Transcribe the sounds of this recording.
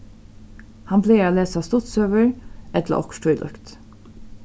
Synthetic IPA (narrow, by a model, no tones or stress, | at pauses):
hɑnfleːaːleːsast̪ʊt̪søːʋəɹɛt̪lə̰ʔɔ̰kʃʈʰʊʏlʔœ̰kt̪